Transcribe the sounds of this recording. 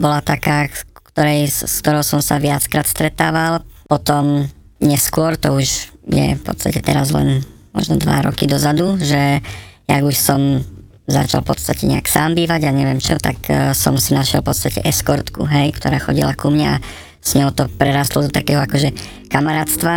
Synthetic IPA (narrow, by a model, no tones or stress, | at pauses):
bɔlat̪akaːkt̪ɔɾɛjskt̪ɔɾɔʊsɔmsaʋɪat͡skɾaːt̪st̪ɾɛt̪aːʋalpɔt̪ɔm | ɲɛskʊɔɾt̪ɔuʒjɛ̰fpɔ̰t̪st̪acɛt̪ɛɾazlɛ̰nmɔ̰ʒnɔd̪ʋa̰ɾɔ̰kid̪ɔzad̪uʒɛjaɡuʃsɔm | za̰t͡ʃa̰lˠfpɔt̪st̪acɛɲɛ̰aksaːmbiːʋaɟaɲɛʋɪɛmt͡ʃɔt̪aksɔmsinaʃɪɛlˠpɔt̪st̪acɛʔɛskɔɾt̪kṵɦɛjkt̪ɔɾaːxɔɟḭlakumɲaa | sɲɔɦʊt̪ɔpɾɛɾaːst̪lɔd̪ɔt̪akɛːɦɔakɔʒɛ | kamaɾaːt̪st̪ʋa